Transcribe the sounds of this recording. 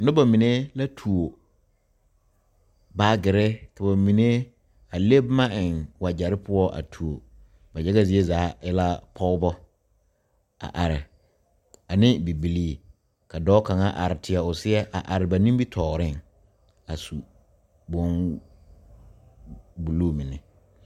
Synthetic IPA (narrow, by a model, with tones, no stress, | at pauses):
nʊ̃˦ba˨mĩ˨ne˦la˦tʰu˨o˨ | baː˦ɡɪ˨ɾɪ˦kʰa˨ba˨mĩ˨ne˦ | a˨le˦bmã˦ʔɪ̃˨nwa˨d͡ʑa˨ɾɪ˦pʰʊ˦ɔ˦ʔa̰˨tʰu˨o˨ | bɛ˨d͡ʒɛ˦ɡa˦zi˨˦e˦zaː˨˦ɪ˦la˦pʰɔ˦ʊ˦bɔ˦ | a̰˨ʔa˨ɾɪ˨ | a˨nɪ̃˦bi˨bi˨liː˦ | ka˨dɔː˦ka˨ŋa˦ʔa̰˨ɾɪ˨tʰɪ˨a˨ʊ˨sɪ˦ɛ˦ʔa̰˨ʔa˨ɾɪ˨ba˨nĩ˦mbi˦tʰɔː˨ɾɪ˦˨ŋ | a˨su˨ | bo˦n | bu˨loː˦˨mĩ˨nɪ˨